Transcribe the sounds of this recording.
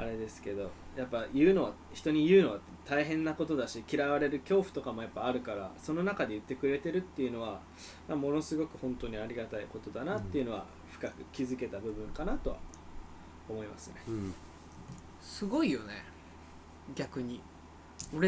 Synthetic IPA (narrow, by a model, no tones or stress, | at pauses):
a̰ɾe̞d̪e̞sɨ̥ke̞d̪o̞japːajɯ̟ːno̞βa | çi̥t̪o̞ɲ̟ijɯ̟ːno̞βa | t̪aiɦẽ̞nːako̞t̪o̞d̪aɕikʲiɾaβaɾe̞ɾɯ̟kʲo̞ːɸɯ̟̥t̪o̞kamo̞japːaːɾɯ̟kaɾaso̞no̞nakad̪e̞jɯ̟t̪ːe̞kɯ̟ɾe̞t̪e̞ɾɯ̟t̪ːe̞jɯ̟no̞βa | mamo̞no̞sɨɡo̞kɯ̟hõ̞nt̪o̞ːɲ̟iaɾʲiɡat̪aiko̞t̪o̞d̪anat̪ːe̞iɯ̟no̞β̞a̰ | ɸɯ̟̥kakɯ̟kʲizɨke̞t̪abɯ̟bɯ̟̃ŋkanat̪o̞βa̰ | omo̞ima̰sɨne̞ | sɨɡo̞ijo̞nḛ | ɡʲakɯ̟ɲ̟i | oɾe